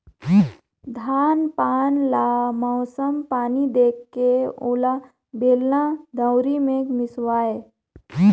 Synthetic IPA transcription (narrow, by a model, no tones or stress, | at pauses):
d̪ʱaːnpaːnlaːmɔːsəmpaːnid̪eːkːeʊla | beːlnad̪əʊɾimẽkmɪswaːe